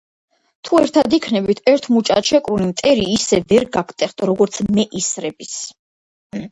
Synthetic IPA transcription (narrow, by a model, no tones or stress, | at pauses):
t̪ʰuɛɾt̪ʰad̪ikʰnɛbit̪ʰɛɾt̪ʰmut͡ʃʼa̰t̪ʃɛkʼɾunimt̪ʼɛɾiːsɛvɛɾɡakʰt̪ʼɛχt̪ʰʼɔɾɔɡɔɾt̪sʰmɛʔisɾɛbis